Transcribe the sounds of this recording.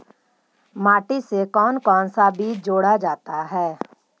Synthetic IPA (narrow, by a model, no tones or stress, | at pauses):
maːʈisekɔːnkɔːnsabiːt͡ʃd͡ʒoːɽad͡ʒaːt̪aɦɛː